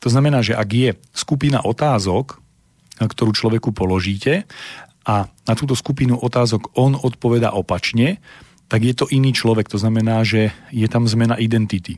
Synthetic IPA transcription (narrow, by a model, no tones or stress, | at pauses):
t̪ɔznamɛnaːʒɛʔaɡjɛ | skupina̰ʔɔt̪aːzɔk | kt̪ɔɾuːt͡ʃlɔʋɛkupɔlɔʒiːcɛʔanat̪uːt̪̬ɔskupinuʔɔt̪aːzɔɡɔnɔt̪pɔʋɛd̪a̰ːʔɔpat͡ʃɲɛ | t̪aɡjɛt̪ɔʔiniːt͡ʃlɔʋɛkt̪ɔznamɛnaːʒɛjɛt̪amzmɛnaʔid̪ɛnt̪it̪i